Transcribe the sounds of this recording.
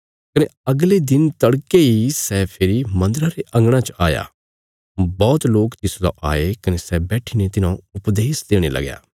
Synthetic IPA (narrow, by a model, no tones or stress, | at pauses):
kɐneɐɡled̪ɪnt̪ɐɽkeisɛːpʰɪɾimɐ̃nd̪əɾaɾeʔɐ̃ŋɡɽ̃ãt͡ʃaːja̰ː | bɔːt̪loːkt̪ɪsla̰ʔa̰ːekɐnesɛbɛːʈʰinet̪ɪnãʊpd̪eːsd̪eːɽ̃elɐ̰ɡja̰ː